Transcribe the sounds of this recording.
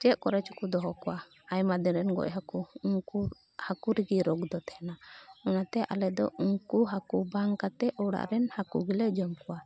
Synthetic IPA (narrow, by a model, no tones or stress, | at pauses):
t͡ʃɛʔ̪kɔɾɛt͡ʃu̥kud̪ɔɦɔkɔwa | ajmad̪ɛɾɛnɡɔ̰ʔɦakuuŋku | hakuɾiɡiɾɔɡd̪ɔt̪ɛhɛnaɔnat̪ɛʔa̰lɛd̪ɔ̰uŋkuɦakubaŋkat̪ɛʔɔwɽa̰ʔɾɛnhakṵɡilɛd͡ʒɔmkɔwa